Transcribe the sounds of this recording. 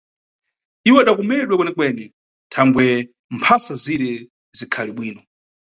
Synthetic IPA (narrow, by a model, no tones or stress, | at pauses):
iwɛaɗakɔmɛɗwɛkwɛnɛkwɛnɛ | tʰaŋɡwɛ | mpʰasaziɾɛ | zikʰaliɓwiːnɔ